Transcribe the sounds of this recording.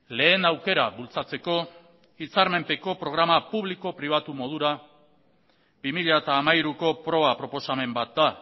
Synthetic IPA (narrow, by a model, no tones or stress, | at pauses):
le̞ːnawke̞ɾaβult͡sat͡se̞ko̞ | it͡saɾme̞mpe̞ko̞pɾo̞ɣ̞ɾamapuβliko̞pɾiβat̪umo̞ð̞uɾa | bimiʎat̪aːmajɾuko̞pɾo̞βapɾo̞po̞same̞mbat̪̚d̪a